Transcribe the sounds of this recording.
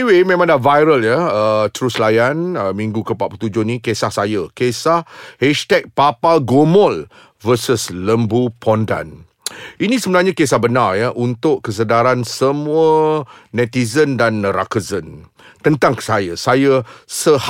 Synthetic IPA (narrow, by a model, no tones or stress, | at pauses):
iwemẽmãŋdavajɾəljəət̪ɾuslajanəmĩŋɡukəpaʔ̚put̪ud͡ʒʊhnĩkesahsajəkesahhɛʃt̪ɛk̚papaɡomɔl | vəsəsləmbupʰɔnda̰n | inĩsəbənarɲakesahbənarjaʔunt̪ʊʔkəs̬ədaɾansəmuənɛ̃t̪izəndanra̰kəzən | t̪ənt̪aŋkə̥sajasajəsəh